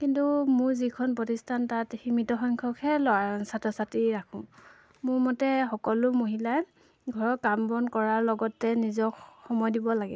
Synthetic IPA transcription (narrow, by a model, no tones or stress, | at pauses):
kintumʊɹzikʰɔnpɹɔtistʰantathimitɔxɔŋkʰɔkʰɛlɔasatʰɔsatiɹakʰʊ̃ | mʊɹmɔtɛxɔkɔlʊmoɦila | ɡʱɔɹɔkambɔnkɔɹaɹlɔɡɔtːɛnizɔkxɔmɔjdibɔlaɡɛ̰